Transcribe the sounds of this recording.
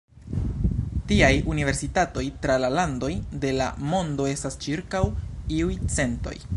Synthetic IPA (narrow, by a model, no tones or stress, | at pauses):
tiajunive̞ɾsitato̞jtɾalalando̞jde̞la̰mo̞ndo̞e̞stast͡ʃiɾkawiujt͡se̞nto̞̰j